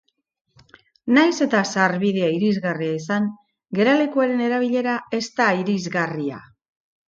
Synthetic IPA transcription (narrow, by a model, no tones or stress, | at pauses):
najse̞t̪asaɾβið̞e̞aiɾizɣariaisaŋ | ɡe̞ɾale̞kuaɾe̞ne̞ɾaβ̞iʎe̞ɾae̞st̪aiɾizɣaria̰